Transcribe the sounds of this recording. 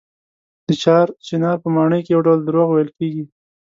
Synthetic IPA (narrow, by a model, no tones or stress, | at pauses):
d̪̥ət͡ʃɑɾt͡ʃɪnɑɾpəmɑɳəjkejawɖawld̪əɾoɣwajəlkeɡi